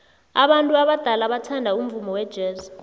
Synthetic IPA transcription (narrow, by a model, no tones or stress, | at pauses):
aɓantʼuaɓad̥ʱalaɓatʰandʱaum̩vumɔwɛd̥ʒ̥ʱɛːza